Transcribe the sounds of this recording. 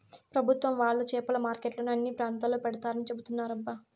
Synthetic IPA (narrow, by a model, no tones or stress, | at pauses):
pɾɐbʱut̪ʋɐmʋaːɭːut͡ʃɛːpɐlɐmaːɾkeʈlɐnuɐnːiːpɾaːnt̪aːloːpɛɽɐt̪aːɾɐnit͡ʃe̞but̪unːaːɾɐbːɐ